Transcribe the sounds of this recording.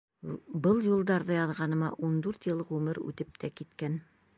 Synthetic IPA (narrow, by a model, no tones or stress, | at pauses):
bɤlˠjulˠd̪ɑɾðɤjɑðʁɑnɤ̆mɑʔund̪ʉɾt̪jɤlˠʁʉmɘɾʉ̰t̪ɘp̚t̪ʰækit̪kæn